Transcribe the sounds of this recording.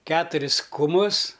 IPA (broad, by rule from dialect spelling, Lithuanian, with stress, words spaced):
ˈkʲæːtʊrʲɪs kʊˈmʊs